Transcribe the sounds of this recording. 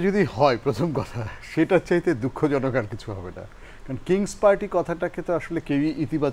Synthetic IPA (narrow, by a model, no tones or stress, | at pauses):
d͡ʑod̪ihɔepɾot̪ʰomkɔt̪ʰaʃeʈat͡ɕaɦit̪ed̪ukʰːod͡ʑɔnokaɾkit͡ɕʰuɦɔ̰bena̰ | kaɾonokiŋspaɾʈikɔt̪ʰaʈaket̪oaʃolekewiʔit̪ibat͡ɕ